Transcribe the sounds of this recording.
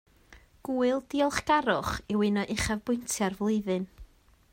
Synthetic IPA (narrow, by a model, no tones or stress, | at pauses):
ɡ̥uːɨlˠdiːɔlˠχɡ̥aɾʊχɪwɪnɔʔɪχavbʊɨntʰjarvlˠɨðɨn